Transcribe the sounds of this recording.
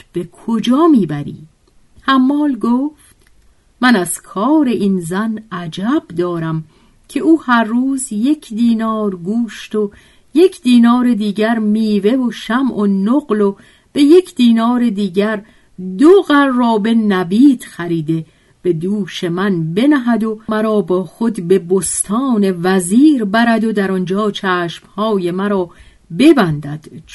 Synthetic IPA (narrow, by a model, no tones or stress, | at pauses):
b̥e̞kʰod͡ʒɒːmiːbæɾḭː | hæmːɒːlɡoːft̪ | mænæz̥kʰɒːɾe̞ʔinzænæd͡ʒæbd̪ɒːɾæm | cʰe̞ʔuːhæɾːuːzje̞cʰd̪iːnɒːɾɡuːʃt̪o | je̞cʰd̪iːnɒːɾe̞d̪iːɟæɾmiːve̞voʃæmʔonoɣlo | b̥e̞je̞cʰd̪̥iːnɒːɾe̞d̪iːɟæɾ | d̪oɣæɾːɒːbe̞næbiːd̪̥xæɾiːd̪e̞ | b̥e̞d̪uːʃe̞mænbe̞næɦæd̪o̞mæɾɒːbɒːxo̞d̪be̞bost̪ʰɒːne̞væziːɾbæɾæd̪od̪æɾɒnd͡ʒɒːt͡ʃʰæːʃmhɒːje̞mæɾɒː | be̞bænd̪æd̪̥